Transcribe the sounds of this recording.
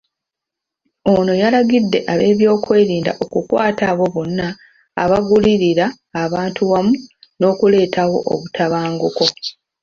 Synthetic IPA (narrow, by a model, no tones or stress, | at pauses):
ono̞jalaɡidːe̞ʔaβe̞ːβjo̞ːkwe̞ːɾiːnda̰ʔokukwaːtaβo̞βonːa̰ː | βaɡuliɾiɾaː | βaːntʰuwamuno̞ːkule̞ːtʰawo̞̰ʔo̰βutʰaβaːŋɡoko̞